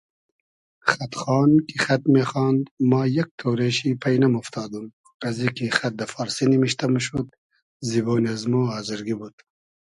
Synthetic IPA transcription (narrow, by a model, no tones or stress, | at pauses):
xɐt̪χɑːnkʰixɐt̪meːxɑːnd̪maːjɐk̚t̪ʰoːwɾeʃipʰɐjnɐmuft̪ʰɑːd̪um | kɐzikixɐt̪̚d̪ɐfɑːɾsinimiʃt̪ɐmʃud̪̚ | ziboːniɐzmuɑːziɾɡibud̪̥